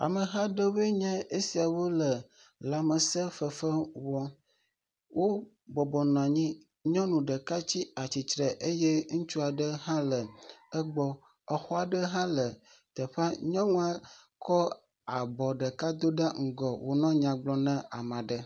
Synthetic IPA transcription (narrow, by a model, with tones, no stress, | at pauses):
a̰˨mə˨ɦã˦ɖə˦we˦ɲɛ̃˦e˦si˨a˨wo˦lə˨ | la˨mə˨sə˦fə˨fə˦wɔ˦ | wo˦ | bɔ˨bɔ˨nɔ̃˨a˨ɲĩ˦ | ɲɔ̃˦nũ˨ɖə˨ka˦t͡ɕi˦a˨t͡ɕi˨t̪ɾə˨ʔe˦jɛ˦ŋũ˦t͡ʃu˦a˨ɖə˦ɦã˦lə˨ə˦ɡ͡bɔ˦ | ə˨xɔ˦a˨ɖə˦ɦã˦lə˨ | t̪ə˨ɸa˦ɲɔ̃˦ŋũ˦a˦ | kɔ˦ | a˨bɔ˨ɖə˨ka˦d̪o˦ɖa˦ŋ̩˦ɡɔ˨wo˨nɔ̃˦ɲã˨ɡ͡blɔ˦nɛ̃˦a˨mã˨ɖə˦